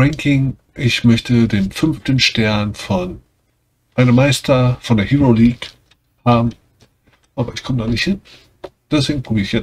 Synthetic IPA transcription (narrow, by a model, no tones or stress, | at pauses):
ʁɛŋkʰɪŋ | ʔɪçmœçtədeːnfʏnftənʃtɛɐnfɔn | ʔaɪnəmaɪstʰɐfɔndeːɐhiʁoliːk | haːbm̩ | ʔaːbɐʔɪçkʰɔmədaːnɪçthɪn | d̥ɛs̬v̥eːɡŋ̩pʁ̥obiːɪçjɛ